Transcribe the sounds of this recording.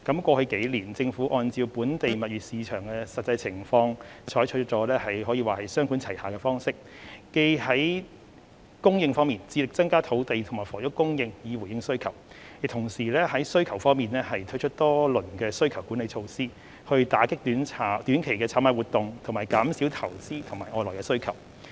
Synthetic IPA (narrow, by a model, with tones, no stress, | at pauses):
kɐ˨˥mkʷɔː˧hɵ˧ke˨˥jliː˨˩nt͡sɪ˧ŋfu˨˥ʔɔː˧nt͡siː˧wpuː˨˥nt̪e˨jmɐ˨t̚ɥyː˨˩t̚siː˨˧t͡ʃʰœː˨˩ŋkɛː˧sɐ˨t̚t͡sɐ˧jt͡sʰɪ˨˩ŋfɔː˧ŋt͡ʃʰɔː˨˥jt͡ʃʰɵ˥t͡sɔː˨˥lɛː˥hɐ˨jɦɔː˨˥jiː˧waː˨hɐ˨˩jsœː˥ŋkuː˨˥nt͡sʰɐ˨˩jhaː˨kɛː˧fɔː˥ŋsɪ˥k̚ː | e˧jhɐ˨˥j | kʊ˥ŋjɪ˧ŋfɔː˥ŋmiː˨nt͡siː˧lɪ˨k̚t͡sɐ˥ŋkaː˥t̪ʰo˨˥wt̪e˨jt̪ʰʊ˨˩ŋmaː˨˩jfɔː˨˩jʊ˥kʊ˥ŋjɪ˧ŋjiː˨˧wu˨˩jɪ˧ŋsɵ˥ɥkʰɐ˨˩w | ji˨t̪ʰʊ˨˩ŋsiː˨˩lɛː˥hɐ˨˥jsɵ˥ɥkʰɐ˨˩wfɔː˥ŋmiː˨nlɛː˥hɐ˨jt̪ʰɵ˥t͡ʃʰt̚t̪ɔː˥lɵ˨˩nkɛː˧sɵ˥ɥkʰɐ˨˩wkuː˨˥ne˨jt͡ʃʰo˧wsiː˥ | hɵ˧ɥt̪aː˨˥kɪ˥k̚t̪yː˨˥nt͡sʰaː˨˩t̪yː˨˥nkʰe˨˩jkɛː˧t͡sʰaː˨˥maː˧˩wuː˨˩t̪ʊ˨˧ŋt̪ʰʊ˨˩ŋmaː˨˩jkaː˨˥msiː˨˥wt̪ʰɐ˨˩wt͡siː˥t̪ʰʊ˨˩ŋmaː˨˩jʔɔː˨˧jlɔː˨˩jkɛː˧sɵ˥kʰɐ˨˩w